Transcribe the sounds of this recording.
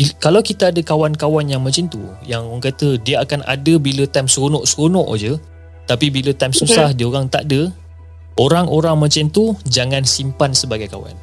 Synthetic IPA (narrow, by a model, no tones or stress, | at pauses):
ikalawkit̪aadəkawankawanjaŋmãt͡ʃint̪ujaŋŋkat̪ədiəakanʔa̰dəbilət̪ajmsɣunɔʔsɾonɔʔd͡ʒə | t̪apibilət̪ajmsusahdiəoɾaŋt̪a̰ʔdə | ʔoɾaŋʔoɾaŋmãt͡ʃint̪ud͡ʒaŋãnsimpansəbaɡajkawa̰n